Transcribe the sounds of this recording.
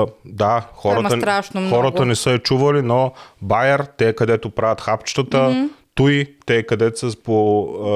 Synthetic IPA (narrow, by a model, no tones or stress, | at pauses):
d̪axɔɾɐt̪əɾaʃnxɔɾɐt̪ɐnɛsəɛt͡ʃuvɐlinobajɛɾt̪ɛːkɐd̪ɛt̪opɾavʲɐt̪xapt͡ʃt̪ət̪ət̪uit̪ɛːkɐd̪ɛt̪səspo